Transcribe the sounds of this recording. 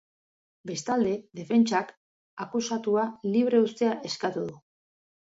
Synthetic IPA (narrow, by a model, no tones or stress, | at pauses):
be̞st̪ald̪e̞ðe̞fe̞nt͡ʃak | akusat̪ualiβ̞ɾe̞ust̪e̞aʔe̞skat̪uð̞u